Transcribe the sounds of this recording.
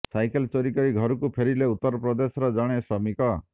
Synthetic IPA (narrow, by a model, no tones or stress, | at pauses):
sajkelt͡ʃɔɾikɔɾiɡʱɔɾɔkupʰeɾileut̪ːɔɾɔpɾɔd̪esɔɾɔd͡ʒɔɽ̃esɾɔmikɔ